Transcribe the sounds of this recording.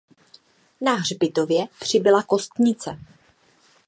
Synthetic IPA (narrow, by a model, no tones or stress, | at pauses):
naɦrbɪt̪ovjɛpr̝̥ɪbɪlako̞st̪ɲɪt͡sɛ